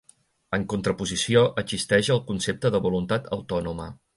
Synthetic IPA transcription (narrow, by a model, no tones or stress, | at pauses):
əŋkunt̪ɾəpuzisioʔəzist̪ɛʒəlˠkunsep̚t̪əðəβulunt̪at̪ʰə̰wt̪ɔnumə